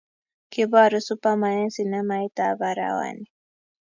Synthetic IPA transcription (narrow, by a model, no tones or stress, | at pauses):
kibaɾʊsʊpamanesinamajt̪abaɾa̰wa̰ni